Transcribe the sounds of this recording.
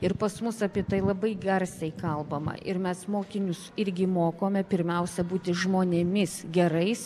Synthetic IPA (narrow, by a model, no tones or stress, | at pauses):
ɪɾpɐsmʊsɐpʲiɛt̪ɐɪlˠɐbɐɪɡʲɐrʲsʲɛɪkɐlˠbɐmɐ̰ʔɪɾmʲɛsmoːkʲɪnʲʊsɪɾʲɡʲɪmoːkoːmʲɛpʲɪɾʲmʲɛʊsʲɛbuːt̪ʲɪʒmoːnʲeːmʲɪsɡʲɛɾɐɪs